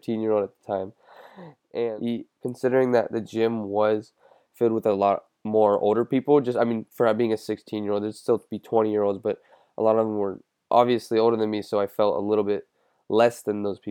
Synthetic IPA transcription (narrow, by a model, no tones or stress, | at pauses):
tʰĩnjɪɹoʊlˠdɨt̪̚ðə̥tʰãɪ̃m | ʔɨ̃ikʰn̩sɪɾə˞ɪ̃ŋðɨt̪̚ðɨd͡ʒɪ̃mwʌz̥ | fɪlˠd̚wəðəlɔt̚ | mɔɹo̰ʊlˠɾə˞pipl̩ˠd͡ʒʌstaɪmĩnfə˞b̥iɪ̃ŋɨsɪkstʰĩnjɪɹoʊdðə̥˞stɪlˠtʰəbitʰw̥ɛ̃ɾ̃ijɪɹoʊlˠdzbʌɾ | ʔə̰lɔɾʌvə̃mwə˞ | ʔɑ̰bviɨslioʊlˠdə˞ðɨ̃nmisoʊaɪfɛlˠtə̰lɪɾl̩ˠbɪt̚ | lɛsðɨ̃nðoʊz̥pʰi